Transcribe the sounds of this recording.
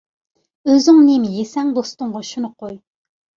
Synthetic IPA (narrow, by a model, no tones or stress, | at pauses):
øzɪŋnemɪjesɛŋd̪ost̪ʊɴʁɑʃunɨqʰoj